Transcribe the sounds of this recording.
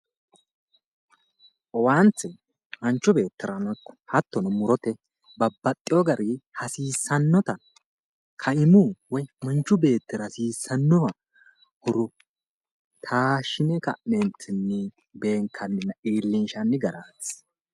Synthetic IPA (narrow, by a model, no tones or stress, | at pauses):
ʔɔwant͡sːɛ | mɐnt͡ʃːʊbe̞ːt̪ːɪɾɐnɔkːɔ̥hɐt̪ːɔnɔmʊɾɔt̪ɛ | bɐbːɐt̪ʼːɪjɔɡɐɾʔihɐsiːsːɐnːɔt̪ɐ | kʰɐɪmuːwɔjmɐnt͡ʃːʊbe̞ːt̪ːɪɾɐsiːsːɐnːɔwɐ | hʊɾɔ | t̪ʰaːʃɪnɛkɐ̰ʔnɛnt͡sʰɪnːɪ | be̞ːŋkʰːɐnːɪnɐʔiːlːɪnʃɐnːɪɡɐɾaːs